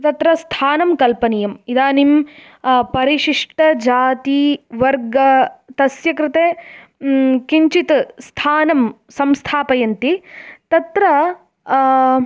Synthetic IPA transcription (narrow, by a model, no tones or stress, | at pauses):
t̪ɐt̪ɾɐst̪ʰaːnɐmkɐlpɐnijɐmid̪aːnim | pɐɾiʂiʂʈɐd͡ʒaːt̪iʋɐɾɡɐt̪ɐsjɐkɾɪt̪eː | kiɲt͡ʃit̪st̪ʰaːnɐm | sɐmst̪ʰaːpɐjɐnt̪it̪ɐt̪ɾɐ